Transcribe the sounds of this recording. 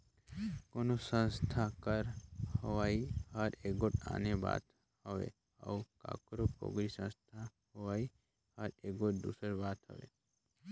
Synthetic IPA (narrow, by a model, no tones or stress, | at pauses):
koːnosə̃nst̪ʰakəɾhəʋaːihəɾeːkoʈa̰ːneba̰ːt̪ | həʋḛ | ə̰uka̰ːkɾopo̰ɡɾisə̃nst̪ʰa | ɦoʋaːi | həɾeːɡoʈ̚d̪ṵːsəɾbaːt̪ɦə̰ʋḛ